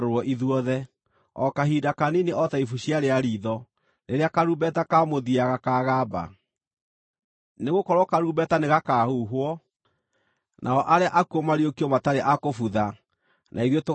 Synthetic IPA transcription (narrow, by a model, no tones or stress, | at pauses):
ɾoɾwɔʔiðwɔðɛ | ɔkaɦidakanineɔtaifuɕjaɾeaɾiːðɔ | neɾeakaɾuːbɛtakamoðiaɣakaːɣaːba̰ | neɣokɔɾwɔkaɾuːbɛtaneɣakaːhuːɦwɔ | nʔaɔʔaɾeaʔakuɔmaɾiokiɔmataɾeʔakofuða | nʔaiðoto